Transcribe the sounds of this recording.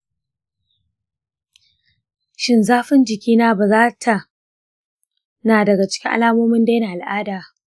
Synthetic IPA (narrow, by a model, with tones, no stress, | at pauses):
ʃɪ˦nzaː˦ɸɪ˦nd͡ʒɪ˨kʲiː˦naː˦ba˨zaː˦tʰa˨ | naː˨dɐ˨ɡa˨t͡ʃɪ̥˦kʲɪ˦ŋʔa̰˦laː˦moː˦mɪ˦nda˦jna˨ʔa˨lʔaː˦daː˨